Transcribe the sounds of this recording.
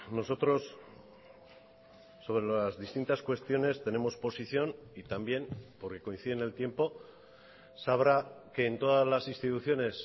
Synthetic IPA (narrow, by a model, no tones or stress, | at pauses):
no̞so̞t̪ɾo̞s | o̞β̞ɾelazðist̪int̪askwe̞st̪jo̞ne̞st̪e̞ne̞mo̞spo̞siθjo̞nit̪ambje̞npo̞ɾke̞ko̞in̟θiðene̞lt̪je̞mpo̞ | saβɾake̞ːnt̪o̞ðazlasĩnst̪it̪uθjo̞ne̞s